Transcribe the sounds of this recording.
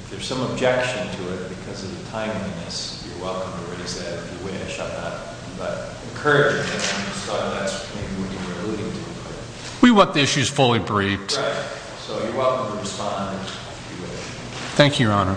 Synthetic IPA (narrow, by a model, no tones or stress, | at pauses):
fðə˞z̥sʌ̃məb̚d͡ʒɛkʃɨ̃ntʰɨɪt̚b̥ɨkʰʌzʌvðɨtʰãɪ̃mlˠinɨs | jə˞wɛlˠkə̃mtʰɨɹeɪzðɨɾɨfjɨwɪʃɨnðət̚ | b̥ʌ̰ɾ | ɨ̃nkʰɜ˞ɨd͡ʒɪ̃ŋðɨtãmtsɑðætsmeɪbiwʌt͡ʃɨwbɪlˠɨɾɪ̃ŋtʰɨpʰʌ | wiwʌ̃t̪̚ðiɪʃʉz̥fʊlˠibɹiftɹaɪt̚ | soʊjɨwɛlˠkə̃mtʰɨɹɨspɑ̃ndɨ | ɪfjɨwɪʃ | θæ̃ŋkʰjʉɹɑnə˞